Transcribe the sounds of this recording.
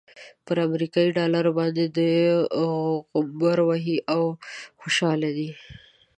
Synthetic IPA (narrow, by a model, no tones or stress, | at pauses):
pəɾamɾikɑiɖɑlaɾobɑnd̪ed̪ə | baɾwaɦiʔawxoʃɑled̪i